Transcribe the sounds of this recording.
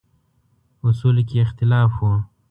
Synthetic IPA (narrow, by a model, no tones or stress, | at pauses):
ʊsulikeɪxt̪ɪlɑːfwo